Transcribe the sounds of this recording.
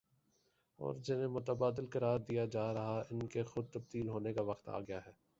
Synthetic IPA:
ɔ̰ːɾd͡ʒɪnẽmʊt̪əbaːd̪ɪlkɐɾaːɾd̪ijad͡ʒaːɾɐɦaɪnkexʊd̪̚t̪ɐb̚d̪iːlɦoːnekaʋɐqt̪a̰ːɡɐjaɦɛː

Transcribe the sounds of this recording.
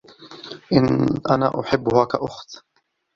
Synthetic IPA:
ʔɪnʔana̰ːʔʊħɪbːʊhaːkaʔʊxt̪

